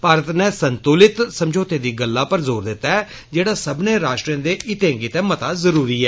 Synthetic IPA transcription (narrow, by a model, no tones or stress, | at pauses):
paːɾət̪nɛːsənt̪ulɪt̪səmd͡ʒoːt̪eːd̪iːɡəlːaːpəɾzoːɾd̪ɪt̪ːaːɛː | d͡ʒeːɽaːsəbneːɾaːʃʈɾãːd̪eːʔɪt̪ẽːŋɡit̪ɛ̃ːmət̪aːzəɾuːɾiːɛː